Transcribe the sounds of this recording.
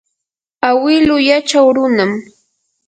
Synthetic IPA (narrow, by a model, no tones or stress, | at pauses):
awɪlʊjat͡ʃawɾʊnam